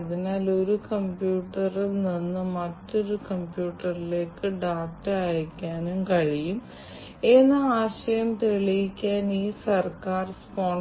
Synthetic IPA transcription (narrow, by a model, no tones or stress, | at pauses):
ðinaːlo̞ɾukɐmpjuːʈːɐrilninːɨmɐtːo̞ɾukɐmpjuːʈːɐrile̞ːkːɨɖaːk̚ʈːɨaːjkʲːaːnumkɐɻijum | e̞nːɨaːɕɐjɐmt̪eɭijikʲːaːniːsɐrkaːrspoːɳ